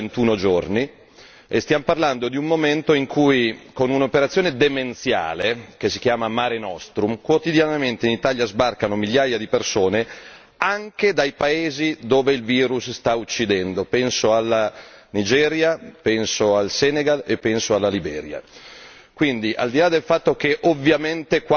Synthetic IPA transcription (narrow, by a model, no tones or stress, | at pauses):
ent̪uːnod͡ʒorni | est̪jamoparland̪od̪iumːoment̪oiŋkʰujkonunopeɾat̪sjoːned̪ement̪sja̰ːlek̟es̬ik̟jaːmamaɾenɔst̪ɾumkwot̪id̪janament̪einit̪aljazbarkanomiljajad̪ipersoːne | aŋked̪ajpaeːzid̪oːveilviːɾusst̪aut͡ʃːid̪ɛnd̪opɛnsoalːanid͡ʒɛːɾjapɛnsoalsɛːneɡalepːɛnsoalːalibɛ̰ːɾja̰ | kwind̪iʔa̰ld̪ilad̪elfat̪ːok̟eʔovːjament̪ek